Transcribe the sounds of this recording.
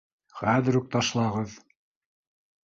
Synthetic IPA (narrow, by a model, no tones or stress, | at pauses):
χæðɘ̆ɾuk̚t̪ɑʃlˠɑʁɤð